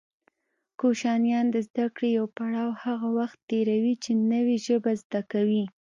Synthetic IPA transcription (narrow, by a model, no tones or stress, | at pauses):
koʃɑnjɑnd̪əzd̪akɽejawpaɽɑwhaɣawaxt̪ːeɾawit͡ʃenəweʒəbazd̪akawi